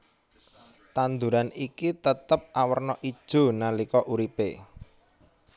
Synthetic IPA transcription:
t̪and̪uɾanikit̪ət̪əp̚ʔawərnɔʔid̥ʒ̥o̤nalikɔʔuɾipe

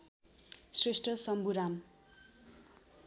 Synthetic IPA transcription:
sresʈrʌsʌmbuɾam

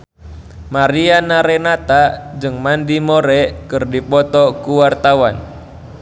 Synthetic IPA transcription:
maɾianaɾɛnat̪ad͡ʒɨŋmandimɔɾɛkɨrdipɔt̪ɔkuwart̪awan

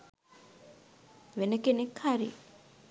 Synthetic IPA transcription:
ʋenəkenekʰaɾḭ

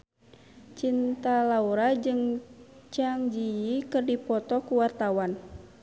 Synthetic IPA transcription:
t͡ʃint̪alauɾad͡ʒɨŋt͡ʃaŋd͡ʒijikɨrdipɔt̪ɔkuwart̪awan

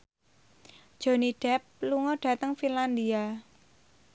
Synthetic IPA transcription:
d̥ʒ̥o̤niɖ̥ɛp̚luŋɔɖ̥ä̤t̪əŋfinland̪ia

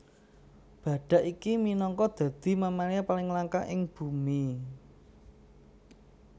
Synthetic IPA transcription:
b̥ä̤ɖ̥ä̤ʔikiminɔŋkɔd̪̥ä̤d̪̥i̤mamaliapalɪŋlaŋkaʔɪŋb̥ṳmi

